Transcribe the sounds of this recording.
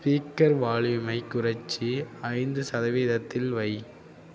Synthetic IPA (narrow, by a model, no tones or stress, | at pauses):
spiːkɐɾʋaːɭʋɪmɐɪkːʊrɐt͡ʃːiɐɪnd̪ɯsɐðɐʋiːðɐt̪ːɪlʋɐɪ